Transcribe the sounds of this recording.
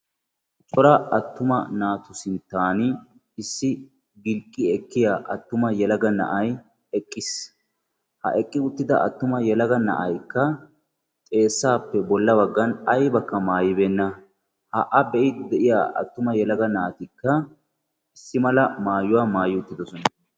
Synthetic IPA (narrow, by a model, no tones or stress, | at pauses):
t͡ʃʼɔɾɐɐt̪ːʊmɐnaːt̪ʊsɪnt̪ːaːn | ɪsːɪ | ɡɪlkʼːɪɛkːɪjaːʔɐt̪ːʊmɐjɛlɐɡɐnɐ̰ʔɐj | ɛkʼːɪs | hɐ̰ʔɛkʼːɪʊt̪ːɪd̪ɐ̰ʔɐ̰t̪ːʊmɐjɛlɐɡɐnɐ̰ʔɐjkːɐ | t̪ʼe̞ːsːaːpːɛbɔlːɐbɐɡːɐnɐjbɐkːɐmaːjɪbeːnːɐ | hɐʔɐbɛʔɪd̪ɛʔɪja̰ːʔɐ̰t̪ːʊmɐjɛlɐɡɐnaːt̪ɪkːɐ | ɪsːɪmɐlɐmaːjʊwaːmaːjɪʊt̪ːɪd̪ɔsɔnɐ